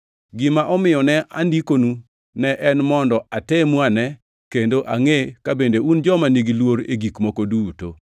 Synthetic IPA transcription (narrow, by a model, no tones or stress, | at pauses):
ɡɪmaʔɔmɪjɔnɛʔa̰ndikonu | nɛʔɛnmɔndɔatɛmwanɛ | kendoʔaŋekabendeund͡ʒɔmaniɡilwoɾḛɡikmɔkoduːto̰